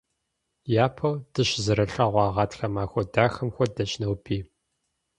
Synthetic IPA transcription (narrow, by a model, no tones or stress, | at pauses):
jaːpʰɐwd̥ɨɕzɨɾɐɬɐːʁʷɑːʁɑːtxɐmaːxʷɔdaːxɐmxʷɔdɐɕnɐwbʰiː